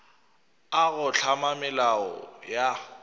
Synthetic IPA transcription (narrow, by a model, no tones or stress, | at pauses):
aɣʊɬʰamamɪlaɔ̰ja